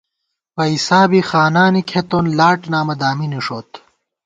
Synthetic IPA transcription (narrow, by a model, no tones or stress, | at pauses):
pɐisaːbixaːnaːnikʰet̪onlaːʈnaːmɐd̪aːminiʂoːt̪